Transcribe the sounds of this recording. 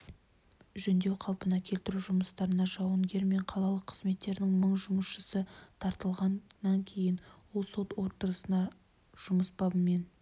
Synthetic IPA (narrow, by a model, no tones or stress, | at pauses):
ʒɵnd̪e̞wqʰɑlˠpənɑkʲʰe̞lt̪ɪɾuʒʊməst̪ɑɾənɑʒɑwəŋɡʲe̞ɾme̞ɴqʰɑlˠɑlˠəqʰːəzme̞t̪ːe̞ɾd̪ɪŋməɴʒʊməsʃəsət̪ʰɑɾt̪əlˠʁɑnːɑŋkʲʰe̞jɪnwo̞lˠso̞t̪wo̞ɾt̪əɾəsənɑ | ʒ̥ʊməsbɑbəme̞n